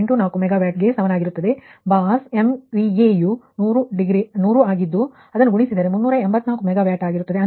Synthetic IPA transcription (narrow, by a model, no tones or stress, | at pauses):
ɳʈunaːkumɛɡaːʋjaːʈ̚ɡe̞sɐʋɐnaːɡiɾut̪ːɐd̪e̞baːsemʋieːjuːnuːɾuɖiɡɾinuːɾuaːɡid̪ːu | ɐd̪ɐnːuɡuɳisid̪aːɾemunːuːɾɐembɐt̪ːnaːkumɛɡaːʋjaːʈaːɡiɾut̪ːɐd̪eɐ